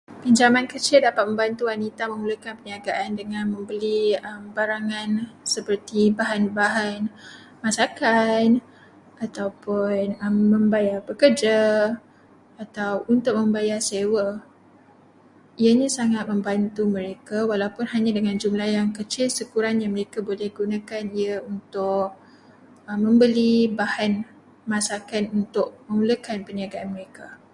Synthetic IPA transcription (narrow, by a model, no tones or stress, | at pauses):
piɲd͡ʒamankət͡ʃɪldapat̪̚mə̃mbant̪uwanit̪amə̃ŋulukanpəniaɡaʔandəŋãnmə̃mbəliəmbaɾaŋansəpərt̪ibaɦanbaɦan | masakan | at̪awpʊnəmːə̃mbajarbəkərd͡ʒa | at̪awunt̪ʊk̚mə̃mbajasewə | iəɲãsaŋat̪̚mə̃mbant̪umə̃ɾekawalawpʊnɦaɲãdəŋãnd͡ʒumlahjaŋkət͡ʃɪlsəkuɾanɲaməɾekabolɛhɡunãkaniəunt̪ʊk̚ | əmːə̃mbəlibahan | mãsakanunt̪ʊʔ̚mə̃ŋuləkanpəniaɡaʔanməɾeka